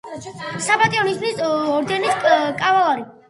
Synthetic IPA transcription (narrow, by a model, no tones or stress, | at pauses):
sabat̪ʼiɔnisʰnisɔɾd̪ɛniskʼavalˠaɾi